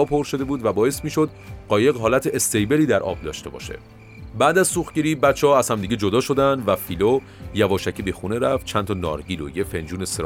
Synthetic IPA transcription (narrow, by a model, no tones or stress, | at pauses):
ɒːpʰoɾʃod̪ebuːd̪væbɒːe̞st̪miːʃod̪̚ɢɒːje̞ɣɦɒːlæt̪ʰeʔest̪ejbe̞liːd̪æɾʔɒ̰ːb̚d̪ɒ̰ːʃt̪e̞bɒ̰ʃe̞̰ | bæːd̪æzsuːxɟeɾiːbæt̪t͡ʃʰːeɒæz̥hæmd̪iːɟed͡ʒo̞d̪ɒːʃo̞d̪ænd̪væfiːlo | jævɒːʃæcʰibexuneɾæft̪̚t͡ʃʰænt̪ʰɒːnɒ̰ːɾɟiːlo̰jefe̞nd͡ʒuːneseɾ